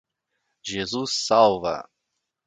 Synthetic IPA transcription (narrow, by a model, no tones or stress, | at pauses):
ʒezusːawvɐ̰